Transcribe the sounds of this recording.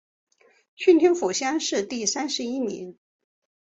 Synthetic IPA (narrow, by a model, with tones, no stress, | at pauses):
ɕy˥˧nt̪ʰi˧˥ŋfu˨˩ɕjɑ˥nʂɻ̩˥˧t̪i˥˩sa˥nʂɻ̩˧˥i˥nḭ˧˥n